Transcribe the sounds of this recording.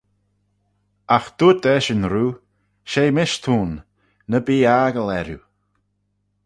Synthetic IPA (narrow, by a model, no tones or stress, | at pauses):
axd̪̥uːt̪ɛʃənɾuː | ʃejmɪʃt̪ʰuːnː | əbiːaɡəlɛɾju